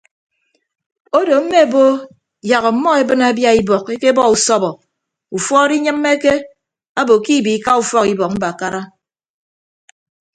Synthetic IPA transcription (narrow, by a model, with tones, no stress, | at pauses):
o˦do˨m̩˦me˦˨bo˦ | ja˨ɣɔ˨mɔ˦e˦bɨ˦na˨˦bja˦i˦bɔ˨ke˦ke˦bɔ˦u˨sɔ˦bɔ˨ | u˨fɔ˦ɾi˦ɲɨ˦mːe˦ke˦ | a˦bo˨ki˦˨bi˨˦ka˦u˨fɔ˦ki˨bɔ˨k̚m̩˦ba˨ka˦ɾa˦